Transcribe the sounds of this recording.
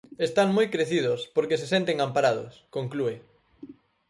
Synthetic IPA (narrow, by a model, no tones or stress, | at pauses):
est̪aŋmojkɾeθiðʊspoɾkesesent̪eŋampaɾað̞ʊ̰skoŋklue